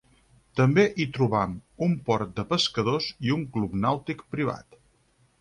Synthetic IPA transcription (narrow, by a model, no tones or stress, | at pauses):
t̪əmbeʔit̪ɾuβamumpɔɾt̪̚d̪əpəskəðoziuŋklupnawt̪ikpɾiβa̰t̪